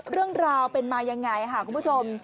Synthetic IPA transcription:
ɾɯ˥˩əŋɾaː˧wpe˧nmaː˧ja˧ŋːa˧jkʰa˥˩kʰːu˧mpʰu˥˩t͡ɕʰo˧m

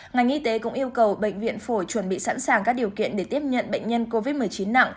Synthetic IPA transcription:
ŋa˨˩jŋ̟ʔi˧t̪e˨˦kʊ̰˧˥ŋ͡mʔi˧əwkə˨˩wɓə̰˧˨jŋ̟vḭ˧˨ənfo˧˩jt͡ɕwə˧˩nɓḭ˧˨sa̰ː˧˥nsaː˨˩ŋkaː˦˥k̚ɗi˨˩əwkḭ˧˨ənɗe˧˩t̪i˦˥əp̚ɲə̰˧˨nɓə̰˧˨jŋ̟ɲə˧nko˧vi˦˥t̚mɨ˨˩əjt͡ɕi˨˦nːa̰˧˨ŋ

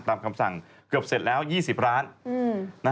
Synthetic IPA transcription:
t̪aː˧mkʰa˧msa̰˨˩ŋ | kɯ˨˩əp̚se˨˩t̪̚lɛː˦˥wjiː˥˩si˨˩p̚ɾaː˦˥nɯː˧˩a˦˥

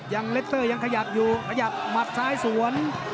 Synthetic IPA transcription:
ja˧ŋle˦˥t̪ʰɤː˥˩ja˧ŋkʰa˧ja˨˩p̚juː˨˩kʰa˧ja˨˩p̚ma˨˩t̪̚saː˦˧˥jsu˨˩˦ən

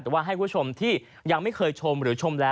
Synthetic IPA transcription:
ɛː˨˩waː˥˩ɦa˥˩jkʰu˥˩˥t͡ɕʰo˧mt̪ʰiː˥˩ | ja˧ŋma˥˩jkʰɤː˧jt͡ɕʰo˧mɾɯː˩˦t͡ɕʰo˧mlɛː˦˥

